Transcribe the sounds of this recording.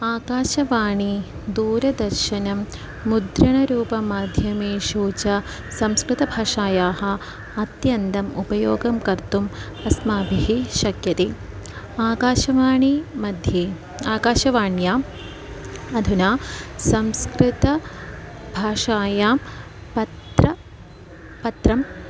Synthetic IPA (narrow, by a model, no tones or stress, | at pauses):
aːkaːʃɐʋaːɳi | d̪uːɾɐd̪ɐɾʃɐnɐmː | ud̪ɾɐɳɐɾuːpɐmaːd̪ʱjɐmeːʃuːt͡ʃɐ | sɐmskɾɪt̪ɐbʱaːʂaːjaːɦɐ̆ | ɐt̪jɐntd̪ɐmṵpɐjoːɡɐmkɐɾt̪umɐsmaːbʱiɦiʃɐkjɐt̪i | aːkaːʃɐʋaːɳimɐd̪ʱjeː | aːkaːʃɐʋaːɳjaː | ɐd̪ʱunaːsɐmskɾɪt̪ɐ | bʱaːʂaːjaːmpɐtɾɐ | pɐt̪ɾɐm